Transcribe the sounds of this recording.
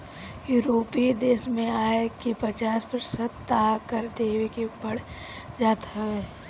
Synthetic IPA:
juːɾoːpid̪eːʃmẽaːekipət͡ʃaːspəɾsət̪ːaːkəɾd̪eːwekebəɽ | d͡ʒaːt̪ɦɐʋeː

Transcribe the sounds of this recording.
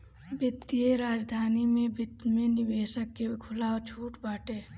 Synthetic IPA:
bət̪ːieɾaːd͡ʒd̪ʱaːnimẽbɪt̪mẽnɪweːʃəkːekʰʊlaot͡ʃʰuːʈbaːʈeː

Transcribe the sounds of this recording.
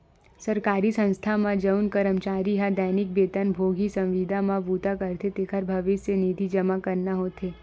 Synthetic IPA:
sɐɾkaːɾisə̃nst̪ʰamãd͡ʒəʊnkəɾəmt͡ʃaːɾiɦad̪ɛːnɪk̚beːt̪ənbʱoːɡʱisɐ̃mʋid̪ʱamãbuːt̪akəɾt̪et̪eːkʰəɾbʱɐʋɪseniːd̪ʱid͡ʒɐmakɐɾnaɦoːt̪eː

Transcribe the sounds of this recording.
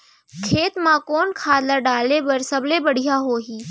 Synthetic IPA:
kʰeːt̪mãkoːnkʰaːlaɖaːlebɐɾsɐblebɐɽ̤ijaɦoːɦiː

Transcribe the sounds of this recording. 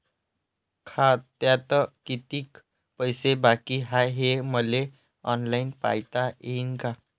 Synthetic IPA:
kʰat̪jat̪ɔkit̪iːk | pəjsebakiɦajɦeməle | ɔnlainpa̰jt̪ajeinka

